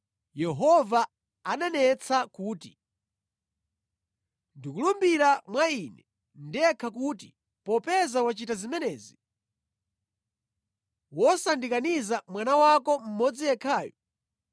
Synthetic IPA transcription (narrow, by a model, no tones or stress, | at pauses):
jɛɦɔva | aɗanɛt͡sʰakuːti | ndikulumbiɾamwainɛ | ndiɛkʰakuti | pɔpɛzawat͡ʃitazimɛnɛːzi | wɔsandikanizamwanawakɔm̩mɔd͡zijɛkʰaːjɔ